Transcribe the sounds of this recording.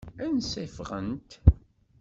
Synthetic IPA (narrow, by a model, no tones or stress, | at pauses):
ænsæfʁə̰nt̪